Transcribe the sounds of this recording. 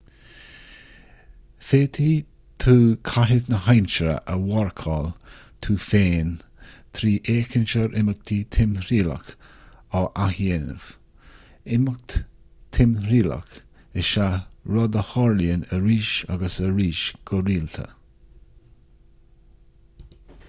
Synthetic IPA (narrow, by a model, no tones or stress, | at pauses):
feːt̪ʰiː | t̪ʰuːkʰaɦɪvnəɦajmt͡ʃəɾə̰ʔəwɔɹkʰɑːl | t̪ʰuːfeːnt̪ʰɾiːʔeːkʰənʃəɾʔɪmək̚t̪ʰit̪ʰɪmɾiːlə̰kɑʔahjeːnə̰v̥ | ɪmək̚t̪ | t̪ʰɪmɾiːlə̰k | ɪʃaɾɔd̪əhɔɹliənəɾiːʃa̰ɡəsəɾiːʃɡ̥ɔɾiːlt̪ʰə̰